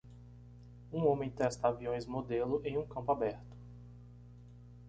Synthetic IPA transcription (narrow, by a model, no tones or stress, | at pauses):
ũõmẽj̃t̪ɛst̪ɐaviõj̃zmod̪elʊʔẽj̃ũkɐ̃pʊabɛɾt̪ʊ̥